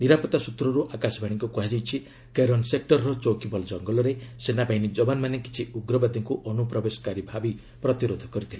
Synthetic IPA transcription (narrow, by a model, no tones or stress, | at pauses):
niɾapɔt̪asut̪ɾɔɾuʔakasɔbʱaɽ̃iŋkukuɦad͡ʒijt͡ʃʰi | keɾɔnsek̚ʈɔɾɾɔt͡ʃokibɔld͡ʒɔŋɡɔlɔɾesenapaɦinid͡ʒɔbanmaneki̥t͡ʃʰiuɡɾɔbad̪ʱɔŋkuʔɔnupɾɔbesɔ̥kaɾibʱabi | pɾɔt̪iɾod̪ʱɔkɔɾit̪ʰile